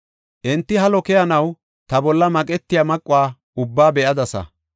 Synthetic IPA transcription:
ʔɛnt̪ːɪɦɐlɔkɛjɐnɐw | t̪ɐbɔlːɐmɐkʼɛt̪ːɪjamɐkʼːʊwaː | ʊbːaːbɛʔɐd̪ɐsɐ̰

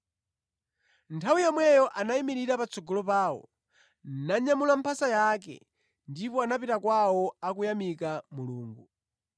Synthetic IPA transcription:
ntʰawijamwɛjɔʔanaimiɾiɾapat͡sɔɡɔlɔpaːwɔ̰ | naɲamulam̩pʰasajak̬ɛ̰ | ndipɔanapitakwawɔak̬ujamikamuluːŋɡu

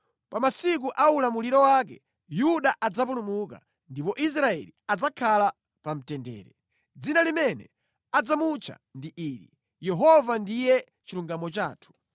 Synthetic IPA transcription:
pamasik̬uʔaulamuliɾɔwak̬ɛ | juɗaʔad͡zap̬unumuka̰ | ndipɔʔis̬ɾaɛ̰liad͡zakʰala | pam̩tɛndɛ̰ːɾɛ | d͡zinalimɛnɛ̰ | ad͡zamut͡ʃʰa̰ndiʔiːɾḭ | jɛɦɔvandijɛ | t͡ʃiluŋɡamɔt͡ʃaːtʰu̥

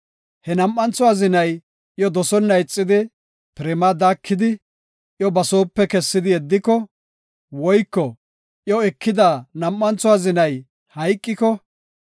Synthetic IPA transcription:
hɛnɐmːɐnt͡sʊaːzɪnɐj | jɔd̪ɔsɔnːɐjɪt͡sʼːɪd̪ɪ | pɪɾɛmad̪aːkːɪd̪ɪ | ʔjɔbɐso̞ːpːɛkɛsːɪd̪ɪjɛd̪ːɪkɔ | wɔjkːɔ | ʔjɔɛkːɪd̪aːnɐmːɐnt͡sʊwaːzɪnɐj | hɐjkʼːɪkɔ

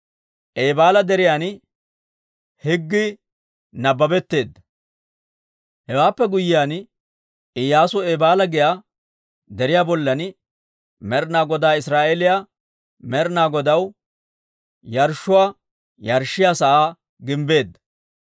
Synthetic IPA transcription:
ʔeːbaːlɐd̪ɛɾɪjaːn | hɪɡːɪ | nɐbːɐbɛt̪ːe̞ːd̪ːɐ | hɛwaːpːɛɡʊjɪjaːn | ɪjaːsʊeːbaːlɐɡɪjaː | d̪ɛɾɪjaːbɔlːɐn | mɛɾnaːɡɔd̪aːɪsɾaːʔelɪja | mɛɾnaːɡɔd̪ɐw | jɐɾʃːʊwaː | jɐɾʃːɪjaːsɐʔaː | ɡɪmbe̞ːd̪ːɐ

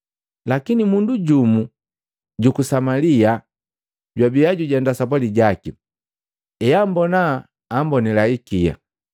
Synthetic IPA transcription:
lakinimunduɟumu | ɟukusamalia | ɟwabijaɟuɟandasap̬aliɟaki | ɛjambɔnaː | mbɔnilaikija̰

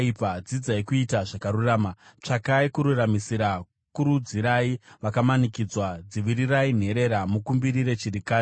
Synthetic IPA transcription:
ipad͡zid͡zaikuitaʐakaɾuraːmat͡ʂakaikuɾuramisiɾa | kuɾud͡ziɾaiʋakamanikid͡zwad͡ziʋiɾirain̤e̞ɾe̞ɾamukumbiɾiɾe̞t͡ʃirikaː

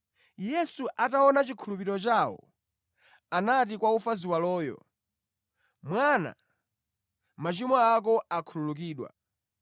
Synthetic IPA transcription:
jɛsuʔataɔnat͡ʃikʰulupiɾɔt͡ʃaːwɔ̰ | anat̬ikwaufaziwalɔːjɔ̰ | mwana̰ | mat͡ʃimɔak̬ɔakʰululuk̬iːɗwa̰

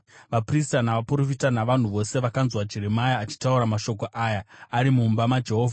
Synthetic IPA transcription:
ʋapristanaʋapuɾo̞fitanaʋan̤uʋo̞se̞ʋakanzwad͡ʒiɾemajaːt͡ʃi̥tauɾamaʃo̞k̬o̞ʔaːjaaɾimumbamad͡ʒe̞ɦo̞ːvʱa

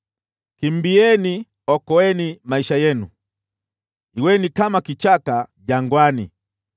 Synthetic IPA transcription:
kimbiɛni | ɔkɔɛnimaiʃajɛnṵ | iwɛnikamakit͡ʃakaʄaŋɡwanḭ

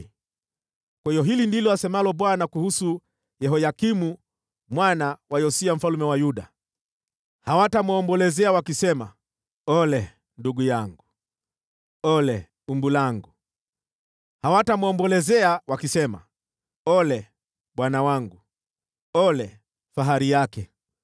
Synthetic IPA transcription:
kwaijɔɦilindilɔasɛmalɔɓwanakuhusu | jɛɦɔjakimu | mwanawajɔsiam̩falumɛwajuɗa | hawatamuɔmbɔlɛzɛawakisɛma̰ | ɔlɛ | nduɡujaŋɡu | ɔlɛ | umbulaŋɡu | hawatamuɔmbɔlɛzɛawakisɛma̰ | ɔlɛ | ɓwanawaŋɡu | ɔlɛ | faɦaɾijakɛ

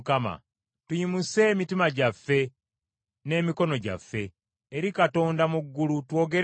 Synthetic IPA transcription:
kama̰ | tujimuse̞ːmitimaɟafːe̞ | ne̞ːmiko̞no̞ɟa̰fːe̞ː | ɾikato̞ːndamuɡːulutwo̞ːɡe̞ɾ

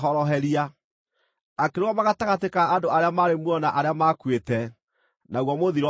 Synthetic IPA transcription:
ɔɾɔɦɛɾia | akeɾewamaɣataɣatekaːndoaɾeamaɾemwɔnaʔaɾeamakwetɛ | naɣwɔmoðiɾɔ

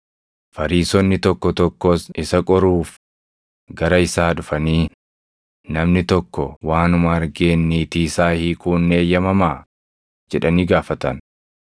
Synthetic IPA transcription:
fɐɾiːsɔnːɪt̪ɔkːɔt̪ɔkːoːsɪsɐkʼɔɾuːf | ɡɐɾɐɪsaːᶑʊfɐniː | nɐmnɪt̪ɔkːɔwaːnʊmɐɐɾɡeːnːiːt̪iːsaːhiːkuːnːe̞ːjːɐmɐmaː | d͡ʒɛᶑɐniːɡaːfɐt̪ɐn

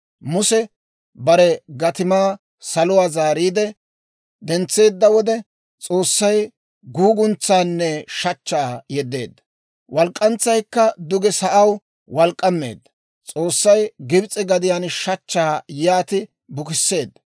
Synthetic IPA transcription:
mʊsɛ | bɐɾɛɡɐt̪ɪmaː | sɐlʊwaːzaːɾiːd̪ɛ | d̪ɛnt͡sːe̞ːd̪ːɐwɔd̪ɛ | t͡sʼo̞ːsːɐj | ɡuːɡʊnt͡sːaːnːɛʃɐt͡ʃːaːjɛd̪ːe̞ːd̪ːɐ̥ | wɐlkʼːɐnt͡sːɐjkːɐd̪ʊɡɛsɐʔɐw | wɐlkʼːɐmːḛːd̪ːɐ̥ | t͡sʼoːsːɐjɡɪbt͡sʼɪɡɐd̪ɪjaːnʃɐt͡ʃːaːjaːt̪ɪ | bʊkɪsːe̞ːd̪ːɐ

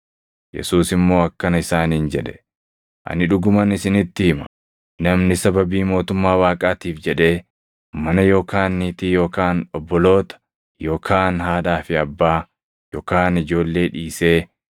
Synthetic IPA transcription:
jɛ̰suːsɪmːo̞ːɐkːɐnɐɪsaːniːnd͡ʒɛᶑɛ̥ | ʔɐ̰nɪᶑʊɡʊmɐnɪsɪnɪt̪ːɪɪmɐ̥ | nɐmnɪsɐbɐbiːmo̞ːt̪ʊmːaːwaːkʼaːt̪iːfd͡ʒɛᶑe̞ː | mɐnɐjo̞ːkʰaːnːiːt̪ɪjo̞ːkaːnɔbːɔlo̞ːt̪ɐ̥ | jo̞ːkʰaːnɦaːᶑaːfɪɐbːaː | jo̰ːkaːnɪd͡ʒo̞ːlːe̞ːᶑiːse̞ː

